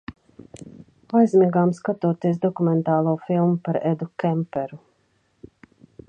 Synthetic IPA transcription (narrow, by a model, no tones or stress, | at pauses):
ajzʲmiːɡaːmskat̪uɔt̪iɛs̬d̪ɔkumɛnt̪ɑːlˠuːfilˠmupaɾɛd̪ukʲɛmpɛɾu